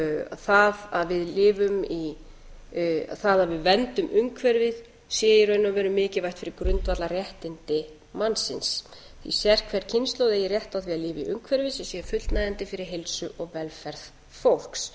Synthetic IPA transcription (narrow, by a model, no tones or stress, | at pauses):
θaðaðvɪðlɪːvʏmi | a̰θaðaðvɪðvɛnt̪ʏmʔʏŋkʰvɛɾvɪð | sɛːjɪɾœːɥnʏmvɛɾʏmːɪːcɪvajht̪fɪɾɪɾkɾʏnt̪vat̪larjɛht̪ɪnt̪ɪ | manːsɪns | θḭsjɛr̥kʰvɛɾ̥cʰɪnst̪lowðɛjɪrjɛht̪awθviaðlɪːvɪiʔʏŋkʰvɛɾvɪsɛsjɛfʏt̪lt̪najɛnt̪ɪfɪɾɪɾɦelsʏʔɔɣvɛlfɛɾð | fowl̥ks